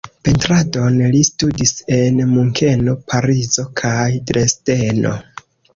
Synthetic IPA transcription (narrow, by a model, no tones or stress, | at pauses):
pe̞ntɾado̞nlistudise̞nmuŋkʰe̞no̞pʰaɾizo̞kʰajdɾe̞steno̞̰